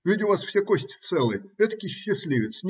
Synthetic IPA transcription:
vʲidʲɪʊvasfsʲekosʲtʲt̪sɛlˠəjɛt̪əkʲɪɕːɪsʲlʲiʋʲɪt̪snʲ

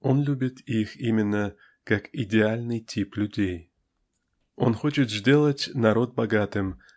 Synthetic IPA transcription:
onlʲubʲit̪ʰiximʲɪnːə | kakidʲealʲnɨjtʲʰiplʲʉdʲej | o̰nχot͡ɕɪt̪ʐdʲelˠətʲnaɾot̪̚bɐɡat̪ɨm

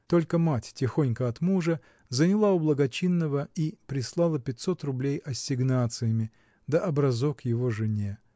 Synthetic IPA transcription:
t̪o̞lʲkəmatʲtʲɪxonʲkəɐt̪muʐə | zənʲɪlˠaʊblˠəɡɐt͡ɕinːəvəipɾʲɪslˠalˠəpʲɪtʲso̞t̪rʊblʲejʔɐsʲɪɡnat̪sɨjəmʲɪ | d̪əʔɐbɾɐzokjɪvo̞ʐɨnʲe

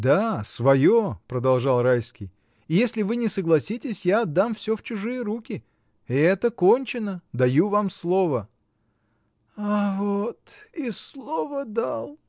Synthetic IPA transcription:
d̪asvɐjopɾəd̪ɐlˠʐɑlˠrajskʲɪj | ɪjesʲlʲɪvɨnʲɪsəɡlˠɐsʲitʲɪsʲjaɐd̪ːamfsʲɵft͡ɕʊʐɨjəɾukʲɪ | ɛt̪əkonʲt͡ɕɪnəd̪ɐjuvamslˠo̞və | avot̪islˠovəd̪alˠ

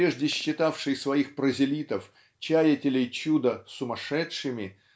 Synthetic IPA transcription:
ɾʲeʐdʲɪɕːɪt̪afʂɨjsvɐixpɾəzʲɪlʲit̪əf | t͡ɕæjətʲɪlʲɪjt͡ɕud̪əsʊmɐʂɛtʂɨmʲɪ

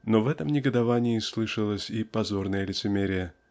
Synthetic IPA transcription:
no̞vɛt̪əmnʲɪɡəd̪ɐvanʲɪislˠɨʂɨlˠəsʲipɐzo̞rnəjəlʲɪt̪sɨmʲeɾʲɪjə

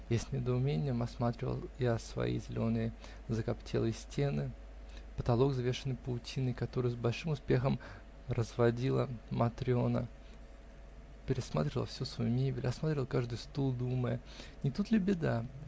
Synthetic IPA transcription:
jasʲnʲɪd̪əʊmʲenʲɪjəmɐsmat̪ɾʲɪvə̰lˠjasvɐ̰ḭzʲɪlʲo̞nɨjə | zəkɐptʲʰḛlˠɨəsʲtʲe̞nɨ | pət̪ɐlˠo̞ɡzvʲeʂɨnːɨjpəʊtʲinːɨjkɐt̪o̞ɾɨjʊzbɐlʲʂɨmʊspʲe̞xəm | rəzvɐdʲilˠə̰mɐt̪ɾʲɪo̞nə̰ | pʲɪɾʲɪsma̰t̪ɾʲɪvəlˠfsʲusvɐjunʲebʲɪlʲɐsmat̪ɾʲvəlˠkaʐd̪ɨjst̪ulˠd̪uməjənʲɪt̪ut̪lʲɪbʲɪd̪a

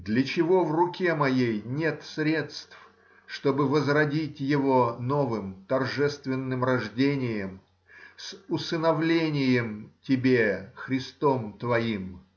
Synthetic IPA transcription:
d̪lʲət͡ɕɪvo̞vrʊkʲe̞mɐjejnʲet̪sɾʲe̞t̪st̪f | ʂt̪o̞bɨvəzrɐdʲitʲjɪvo̞no̞vɨmt̪ɐrʐɛst̪vʲɪnːɨmrɐʐdʲenʲɪjəm | sʊsənɐvlʲenʲɪjəmtʲɪbʲexɾʲɪst̪o̞mt̪vɐim

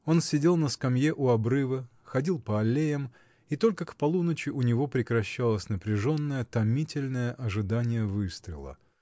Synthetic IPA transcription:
o̞nsʲɪdʲe̞lˠnəskɐmjeʔʊɐbɾɨvə | xɐdʲilˠpəɐlʲːejəm | it̪o̞lʲkəkpɐlˠunət͡ɕɪʔʊnʲɪvo̞pɾʲɪkɾɐɕːalˠəsʲnəpɾʲɪʐo̞nːəjət̪ɐmʲitʲɪlʲnəjəʔɐʐɨd̪anʲɪjəvɨst̪ɾʲɪ̰lˠə̰

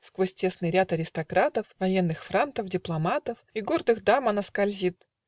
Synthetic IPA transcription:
skvosʲtʲe̞snɨjɾʲat̪ɐɾʲɪst̪ɐkɾat̪əfvɐjenːɨxfɾant̪əfdʲɪplˠɐmat̪əfiɡo̞rd̪ɨxd̪amɐnəskɐlʲzʲit̪̚

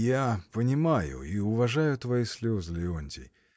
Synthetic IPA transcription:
japənʲɪmajʊ̰iʊvɐʐajʊt̪vɐisʲlʲozlʲɪonʲtʲɪ̰

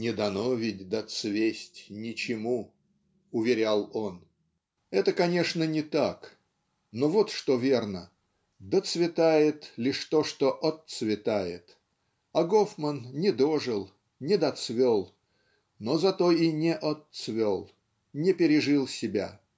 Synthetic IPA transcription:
nʲɪd̪ɐnovʲɪt̚ʲd̪ɐt̪svʲesʲtʲnʲɪt͡ɕɪmu | ʊvʲɪɾʲalˠo̞n | ɛt̪əkɐnʲe̞ʂnənʲɪt̪ak | novo̞t̪ʂt̪ovʲe̞rnə | d̪ət̪svʲɪt̪ajɪt̪lʲiʂt̪o̞ʂt̪o̞ʔɐt̪svʲɪt̪ajɪ̰t̪ | ɐɡofmənnʲɪd̪o̞ʐɨlˠ | nʲɪd̪ɐt̪svʲolˠ | nozɐt̪o̞inʲɪʔɐt̪svʲolˠ | nʲɪpʲɪɾʲɪʐɨlˠsʲɪbʲa̰

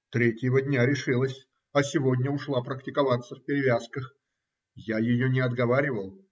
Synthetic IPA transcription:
t̪ɾʲetʲjɪvədʲnʲaɾʲɪʂɨlˠəsʲ | ɐsʲɪvo̞dʲnʲəʊʂlˠapɾəktʲɪkɐvat̪sːəfpʲɪɾʲɪvʲaskəx | jajɪjonʲɪɐd̪ɡɐvaɾʲɪvəlˠ

